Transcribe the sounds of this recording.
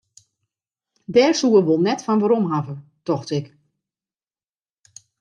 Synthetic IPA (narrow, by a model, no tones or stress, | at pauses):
dɛːrsuəʋolˠnɛtfɔnʋaɾomɦavətɔxtɪk